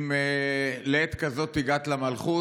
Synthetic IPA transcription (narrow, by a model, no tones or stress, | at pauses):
meleet̪kazo̞t̪ːiɡat̪lamalχu